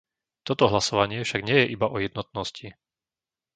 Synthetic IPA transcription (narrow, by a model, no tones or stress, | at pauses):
t̪ɔt̪ɔɦlasɔʋaɲɪɛfʃaɡɲɪɛjɛʔibaʔɔjɛd̪nɔt̪nɔsci